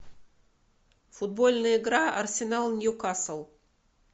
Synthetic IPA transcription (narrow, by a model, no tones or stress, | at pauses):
fʊd̪̚bolʲnɨjɪɡɾaɐrsʲɪnalˠnʲjukasəlˠ